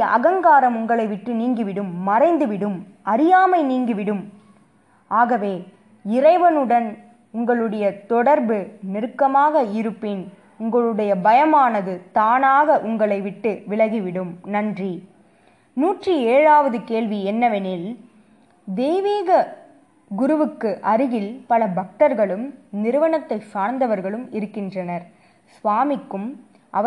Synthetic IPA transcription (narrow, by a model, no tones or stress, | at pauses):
ɐ̰ɣɐŋɡaːɾɐmʊŋɡɐɭɐɪʋɪʈrɯniːŋɡɯʋɪɽɯmːɐrɐɪnd̪ɯʋɪɽɯm | ɐɾɪjaːmɐɪniːŋɡɯʋɪɽɯm | ʔaːɣɐʋeː | ɪɾɐɪʋɐnɯɽɐn | ʊŋɡɐɭɯɽɐjɐt̪ɔɽɐɾbɯnɪɾɯkːɐmaːɣɐɪɾɯpːɪn | ʊŋɡɐɭɯɽɐjɐbɐjɐmaːnɐðɯt̪aːnaːɣɐʔʊŋɡɐɭɐɪʋɪʈːɯʋɪɭɐɣiʋɪɽɯmnɐndri | nuːʈrieːɻaːʋɐðɯkeːɭʋiɛnːɐʋɛnɪl | d̪eːʋeːɣɐ | ɡʊɾɯʋɯkːɯʔɐɾɯɣɪlpɐlɐbɐk̚ʈɐɾɣɐɭɯmnɪɾɯʋɐɳɐt̪ːɐɪsaːɾnd̪ɐʋɐɾɣɐɭɯmɪɾɯkːɪndrɐnɐɾ | sʋaːmɪkːɯm | ʔɐ̰